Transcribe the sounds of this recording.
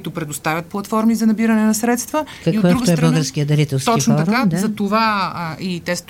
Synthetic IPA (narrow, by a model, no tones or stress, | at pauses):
it̪ʊpɾɛd̪ost̪avʲət̪̚plˠɐt̪fɔɾmizɐnɐbiɾɐnɛnɐsɾɛt̪st̪vəkɐiodkəɾuɡ̪oɛbəlˠɡəɾskiəd̪ɐɾit̪ɛlˠst̪ɔkit͡ʃfnɔɾad̪zɐt̪ovait̪ɛst̪